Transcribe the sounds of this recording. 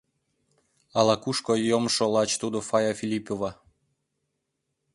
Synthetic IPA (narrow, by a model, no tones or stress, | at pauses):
ɑlɑkuʃkojomʃolɑt͡ɕt̪ud̪ofɑjafʲilʲipovɑ